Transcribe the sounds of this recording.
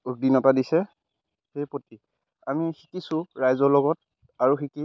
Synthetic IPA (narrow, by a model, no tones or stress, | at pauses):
uk̚dinɔtadisɛ | xejpoti | amixikisʊɹajzɔlɔɡɔt̚ | aɹuxiki